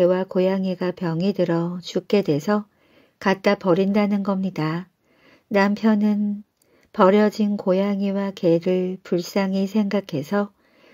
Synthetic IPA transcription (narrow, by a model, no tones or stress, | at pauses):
ewakojaŋiɡapjʌŋidɯɾʌt͡ɕuk͈̚e̞de̞sʰʌ | katt͈apʌɾindanɯnɡʌmɲida | nampʰjʌnɯn | pʌɾjʌd͡ʑinkojaŋiwake̞ɾɯɭpuɭs͈aŋisʰe̞ŋɡakʰe̞sʰʌ